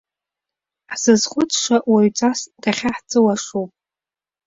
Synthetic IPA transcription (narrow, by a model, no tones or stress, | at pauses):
ħzɨzχʷʊt͡sʰʼʂaʔwaɥt͡sʼasd̥aχʲaħt͡sʼɨwaʂupʼ